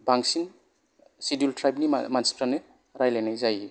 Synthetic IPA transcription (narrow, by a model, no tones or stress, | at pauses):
baŋsin | sidultɾajpniamansi̥pɾanɯ | ɾajlajnajzaji